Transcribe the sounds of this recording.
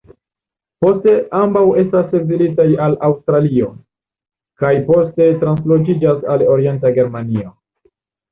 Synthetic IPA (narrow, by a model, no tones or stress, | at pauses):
po̞ste̞ʔambawe̞stasevilit̬ajalawstɾalio̞ | kajpo̞ste̞tɾanslo̞d͡ʒid͡ʒasalo̞ɾie̞ntaɡe̞ɾmanio̞